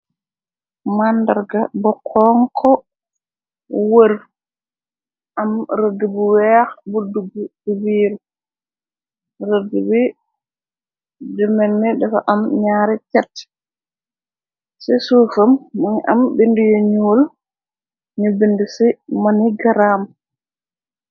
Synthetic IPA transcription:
mandaɾɡabɔkʰɔŋkʰɔ | wəɾ | ʔamɾəɡibuwɛxbuduɡububiːɾ | ɾəɡubi | dɛmɛnːɛdɛfa̰ʔamɲaːɾɛt͡ʃɛt | sɛsufamːaniʔa̰mbindujɔɲuːl | ɲubindisimaniɡaɾaːm

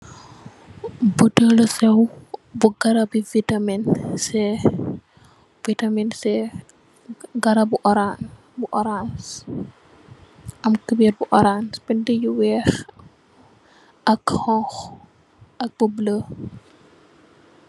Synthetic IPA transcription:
budələsɛwbuɡɐɾɐbivitaminsɛ | vitaminsɛ | ɡɐɾɐbuʔɔɾan | buʔɔɾans | ʔɐmkəbiɾbuʔɔɾansbindəjuwɛːx | ɐkhɔx | ɐk̚bublə

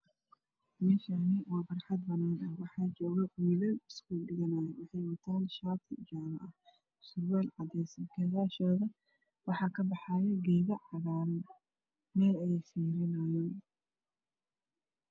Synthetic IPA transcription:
mɛːʃɐnɪwɑːbɐrħɑd̪bɐnaːnɐwɑħɑːt͡ʃɔːɣɛwiːlɛɪskʰuːlɖɪɣɐnɐːjɛwɑħɑjwɐt̪ʰaːnʃaːt̪ʰɪd͡ʒaːmɐʔɐ | sʊrwɛːlʕɑd̪ɛjsɐmkʰɛɣaːʃɔːðɐ | wɑħɑːkʰɐbɑħɑːjɛɡɛjɣɐʕɑɣaːɾ | mɛːlɐjɛsiːɾɪnɐjɔ

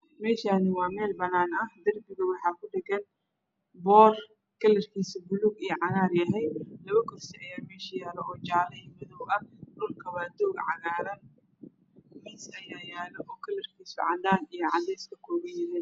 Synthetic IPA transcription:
mɛːʃaːnɪwɑːmɛːlbɐnaːnɐhd̪ɐrbɪɣɐwɑħɑːkʰʊɖɪɡɐn | bɔːr | kʰɐlɐrkʰiːsɪbʊluːɡijɔʕɑɣaːrjɐɦɛjlɐβɐkʰɔrsɪʔɐjaːmɛːʃɐjaːlɛʔɔːt͡ʃɑʕlɐiːmɐðɔwɐhdʊlkʰɐβaːd̪ɔːɡʕɑ̰ɣaːɾɐn | mɪsɐjaːjaːlɛʔɔːkʰɐlɐrkʰiːsʊ̰ʕɑd̪aːnijɔʕɑd̪ɛjskʰɐkʰɔːɣɐjɪɾɛn

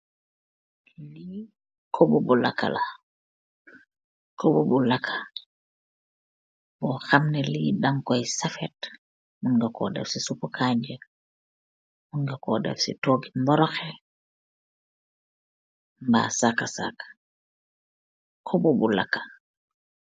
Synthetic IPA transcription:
li | kʰobubula̰kːa̰la | kʰobubulakʰːa | bɔxamnɛlidaŋkɔjsafɛt | muŋɡɛkɔ̰dɛ̰fsisupukʰad͡ʒɛ | muŋɡɛkɔdɛ̰fsḭtoɡimbɔɾɔxɛ | mba̰sakːasa̰kḁ | kʰobubula̰kːḁ

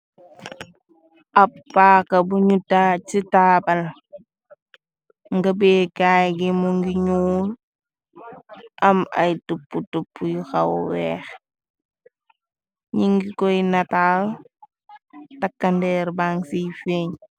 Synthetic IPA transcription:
ʔɐpːaːkɐbuɲutaːt͡ʃitaːbɐl | ŋɡɐbekaːjɡimuŋɡiɲuːl | ʔɐmɐ̰jtupːutupːujuxɐwwɛːx | ɲiŋɡikɔjnataːl | takːɐndɛːɾbaŋsifeːɲ

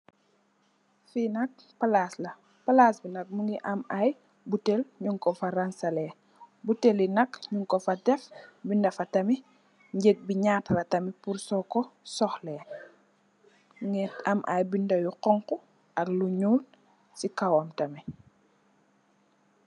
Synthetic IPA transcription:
finɐk̚ | palaːslɐ | pɐlaːsbinɐk̚muŋɡiʔɐmaj | butelɲuŋkɔfaransɐlɛ | butelinɐkɲuŋkɔfɐdɛfbindɐfɐtɐmi | ɲɟek̚biɲaːtrɐtɐmipuɾsɔkɔsɔxlɛː | muŋiɐmʔa̰jbindɐjuqɔŋkɔ | ɐkluɲuːl | sikawamtɐmi

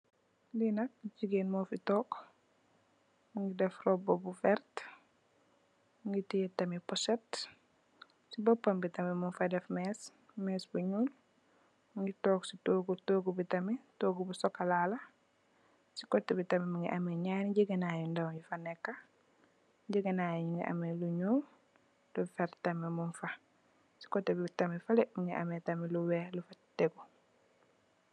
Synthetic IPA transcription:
linɐk̚ɟiɡeːnmɔfitɔːk | muŋɡidɛfrɔbɔbufɛɾt | muŋɡitijetɐmipɔsɛt | sibɔpːɐmbitɐmimunfadɛfmɛs | mɛːsbuɲul | muŋɡitɔːksitoːɡutoːɡubitɐmitoːɡubusɔkːalaːlɐ | si̥kɔtːɛbitɐmimuŋɡḭʔɐmeɲaːniɟiɡenaːjundawɟufanɛkːa | ɟiɡenaːjɛɲiŋɡḭʔa̰meluɲuːl | d̥ɔfɛɾtɐmimunfɐ | si̥kɔtːɛbitɐmifalɛmuŋɡiʔa̰mɛtɐmiluwɛːlufatɛɡu

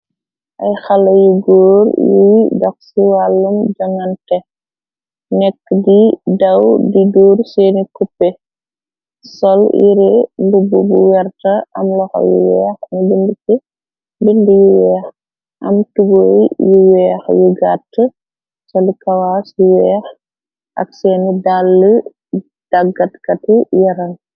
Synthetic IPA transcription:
ʔɐjxɐlɐjuɡoːɾjujdɔxsiwalːumd͡ʒɐŋɐntɛ | nɛkːədidɐwdiduːɾseːnikupːɛ | sɔlḭɾɛbububuwɛrtɐɐmlɔxɔ̰jṵwɛ̰ːxnbinbitɛ | bindijuwɛːx | ʔɐ̰mtubojjuwɛːxjuɡatːə | sɔlikɐwaːsjuwɛjx | ʔɐ̰k̚sɛnidalːə | d̥aɡɐtkɐtijɐɾɐn

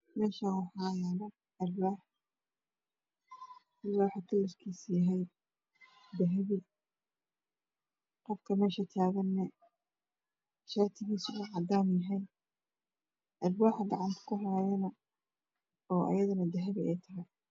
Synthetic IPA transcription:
mɛːʃawɑħɑːjaːβɐ | ɐlwaːħ | sɪlaːwħakʰɐlɐfkʰiːsjɐɦɛj | d̪ɐɦɐβi | qɔfkʰɐmɛːʃɐt̪ʰaːɣɐnːɛ | ʃaːt̪ʰɪɣiːsuʕɑd̪aːmjɐɦɛj | ʔɐlbaːħɐɡɑʕɑnt̪ʰɐ̥kʰʊħɑɾɛjɐnɐ | ɔːʔɐ̰jɐðɐnɐd̪ɐɦɐβɪɛjt̪ʰɐɦɛj

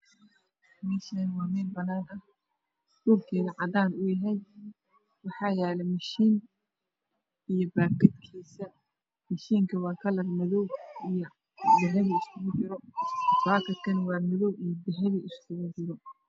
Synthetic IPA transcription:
mɛːʃɐnwɑːmɛːnbɐnaːnɐh | dulkʰɛːðɐʕɑd̪aːnʊjɐɦɛj | wɑħɑːjɛːlɛmɐʃiːn | ijɔbaːkʰɐd̪kʰiːsɐ | mɐʃiːŋkʰɐwɑːkʰɐlɐrmɐðɔwij | bɛɦɛβiɪskʰʊɣʊd͡ʒɪɾɔfaːkʰɐd̪kʰɐnwɑːmɪðɔwʔijɔb̪ɪɦɛβiɪskʰʊɣʊd͡ʒɪɾɔ

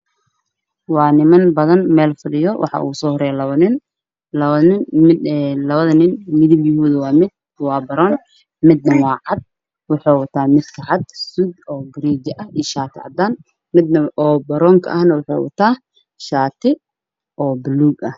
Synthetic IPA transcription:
wɑːnɪmɐnbɐðɐnmɛːlfɪɽɪjɔwʔɑ̰ħɑ̰ʔṵːsɔːhɔɾɛːjɐlɐɐnɪn | lnɪɪlɐβɐðɐnɪnmɪðɪbjʊɦuːðɐwɑːmɪd̪̚ | wɑːbɐɾɔːn | mɪd̪nɐwɑːʕɑd̪̚ | wʊħoːwɐt̪ʰaːmɪd̪kʰɐʕɑd̪sud̪ɔːɡɾiːd͡ʒɪʔɐʔiːʃaːt̪ʰɪʕɑ̰d̪aːn | mɪd̪nɐʔɔːbɐɾɔːŋkʰɐ̰ʔɐhnɐwʊħḛːwɐ̰t̪ʰaː | ʃaːt̪ʰɪ | ʔɔːbluːɡɐh

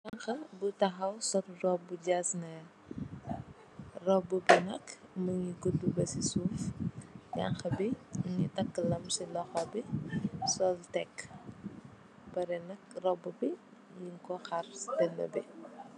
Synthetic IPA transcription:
jaŋxɐbutɐɦɐwsɔtrɔbuɟasnɐ | rɔbːubinɐkmɐŋiɡudːubɐsisuːfɲa̰ŋxɐbiŋitɐkːlɐmsilɔxɔbisɔltɛkː | pɐɾɛnɐk̚rɔbːubi | ɲiŋkɔxɐrdɛnːɐ̰bi

